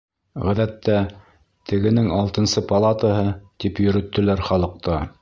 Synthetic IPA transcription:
ʁæðæt̪ːæ | t̪ʰɘ̆ɡɘ̆nɘŋɑlˠt̪ɤ̆nsɤpɑlˠɑt̪əɦɤt̪ipjɵ̆ɾɵ̆t̪ːɵ̆læɾχɑlˠɤ̆q̚t̪ɑ

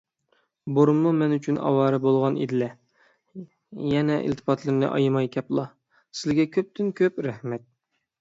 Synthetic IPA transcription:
boɾmːumɛnyt͡ʃʰynɑ̰wɑːɾɨbolˠʁɑnḛd̪ɪlɛ | jɛnɛʔḭlt̪ʰɨ̥pʰɑt̪lˠɨɾnɨ̰ʔɑ̰jmɑjkʲʰɛplˠɑ | sɪzɡʲɛkʲʰøp̚t̪ɪnkʲʰøpɾæhmɛt̪̚

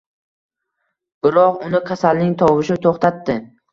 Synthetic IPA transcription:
b̥ɪɾɒqʊnɪqʲʰasalnɪŋt̪ʰɒwɪʃɪt̪ʰoχt̪ʰat̪ːɪ

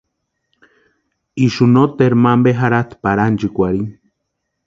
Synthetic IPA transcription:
iʃunot̪eɾmambeɦaɾat̪paɾand͡ʒikʷaɾin

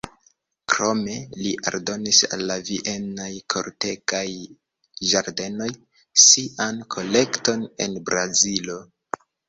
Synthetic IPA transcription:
kɾo̞me̞liʔa̰ɾdo̞nisa̰lːaviʔe̞najkʰo̞̰ɾte̞kaj | ʒaɾde̞no̞j | siankʰo̞le̞kto̞ne̞̰nbɾazilo

